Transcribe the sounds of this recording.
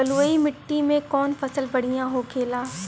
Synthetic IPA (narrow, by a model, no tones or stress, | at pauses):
əluimɪʈːimẽkɔːnfɐsəlbɐɽ̤ijãɦokʰeːlaː